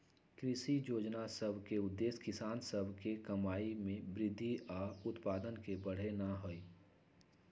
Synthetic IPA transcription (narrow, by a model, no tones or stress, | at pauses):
kɾɪʃijoːd͡ʒnasəbʱkeʊd̪ːeːskɪsaːnsəbʱkekəmaːimẽbɾɪd̪ʱːiɔːʊt̪paːd̪ənkebəɽ̤enəɦoi